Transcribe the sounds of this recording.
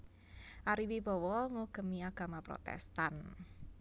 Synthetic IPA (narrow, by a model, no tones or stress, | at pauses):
ʔaɾiwib̥ɔ̤wɔŋuɡ̥ə̤miaɡ̥a̤mapɾɔ̰t̪ɛ̰st̪an